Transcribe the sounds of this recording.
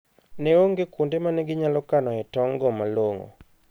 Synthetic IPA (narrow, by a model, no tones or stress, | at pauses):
nɛoŋɡekundemanɛɡɪɲalɔkanɔɛtɔŋɡɔmaloŋo̰